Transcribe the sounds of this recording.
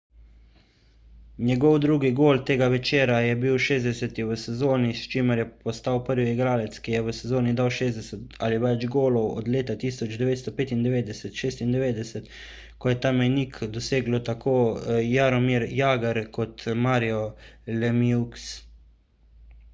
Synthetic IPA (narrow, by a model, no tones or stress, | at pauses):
njɛɡɔwd̪ɾuːɡiɡoːlt̪eːɡaʋɛt͡ʃeːɾajɛbiwʃeːzd̪ɛsɛt̪iʋəsɛzoːnist͡ʃiːməɾjɛpɔst̪awpəɾʋiiɡɾaːlɛt̪skijɛʋəsɛzoːnid̪awʃeːzd̪ɛsɛt̪a̰liʋɛd͡ʒɡoːlɔwɔ̰d̪leːt̪at̪iːsɔd͡ʒd̪ɛʋeːt̪st̪ɔpeːt̪ind̪ɛʋeːd̪ɛsɛt̪ʃeːst̪ind̪ɛʋeːd̪ɛsɛt̪ | kɔjɛt̪aːmɛjniːkd̪ɔseːɡlɔt̪akʰoːjaɾɔmiɾjaːɡaɾkɔt̪maːɾiɔlɛmiuks